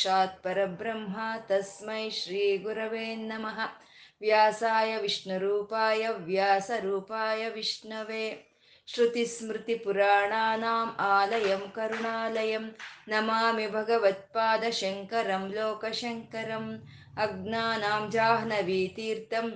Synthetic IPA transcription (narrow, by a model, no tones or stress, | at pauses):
ʃaːt̪̚pɐɾɐbɾɐmɦɐt̪ɐsmɐjʃɾiːɡuɾɐʋeːnːɐmɐɦɐ | ʋjaːsaːjɐʋiʂɳɐɾuːpaːjɐʋjaːsɐɾuːpaːjɐʋiʂɳɐʋeː | ʃɾut̪ismɾɪt̪ipuɾaːɳaːnaːmaːlɐjɐmkɐɾuɳaːlɐjɐmnɐmaːmibʱɐɡɐʋɐt̪̚paːd̪ɐʃɐŋkɐɾɐmloːkɐʃɐŋkɐɾɐm | ɐɡnaːnaːmd͡ʒaːɦɐnɐʋiːt̪iːɾt̪ɐm